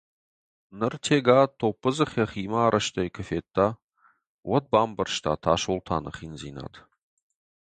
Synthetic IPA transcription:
nɨrtʰeːɡaːt̪ʰopːəzɨχjɐχiːmaːɾʔɐʃt̪ʰɐjkʰɨfeːt̪ʰːa | wɐd̪̚baːmbɐrʃt̪ʰa̰ːt̪ʰaːʃoltʰa̰ːnɐ̰χinziːna̰ːd̪

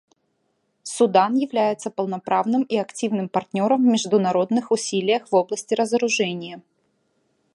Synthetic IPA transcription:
sʊd̪anjɪvlʲæjɪt̪səpəlˠnɐpɾavnɨmiɐktʲivnɨmpɐrtʲnʲo̞ɾəmːʲɪʐd̪ʊnɐɾo̞d̪nɨxʊsʲilʲɪjəxvo̞blˠəsʲtʲɪɾəzəɾʊʐɛnʲɪjə

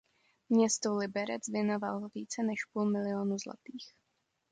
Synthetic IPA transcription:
mɲɛst̪olɪbɛɾɛt͡svjɛnovalviːt͡sɛnɛʃpuːlmɪlɪoːnuzla̰t̪iːx

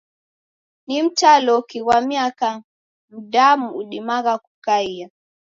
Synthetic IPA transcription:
nim̩talɔkiwamiaka | m̩damuuɗimaɣaku̥kaia

